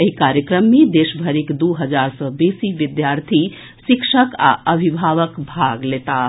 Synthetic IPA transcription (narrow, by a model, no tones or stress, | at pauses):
əɦikaɾjəkɾəmːed̪eʃbʱəɾekd̪uɦəd͡ʒaɾsəbesiʋid̪jaɾt̪ʰi | sikʃəka̰əbʱibʱaʋəkbʱaɡlet̪a